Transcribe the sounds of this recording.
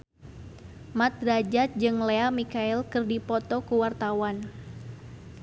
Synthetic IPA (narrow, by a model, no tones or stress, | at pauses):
mat̪̚ɾad͡ʒat̪̚d͡ʒɨŋleamikaɛlkɨrdipɔt̪ɔkuwart̪awan